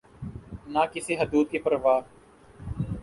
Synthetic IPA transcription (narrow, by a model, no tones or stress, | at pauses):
naːkɪseːɦəd̪uːd̪̚kepəɾʋaː